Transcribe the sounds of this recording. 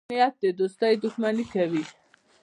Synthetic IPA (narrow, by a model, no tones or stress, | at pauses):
ɛat̪̚d̪ɛd̪ɔsd̪aid̪ukʰmanikʰɛvi